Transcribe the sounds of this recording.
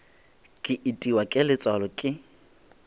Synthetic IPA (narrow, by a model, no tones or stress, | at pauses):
kʼɪʔitʼiwakʼɪlɪt͡sʼwalɔkʼɪ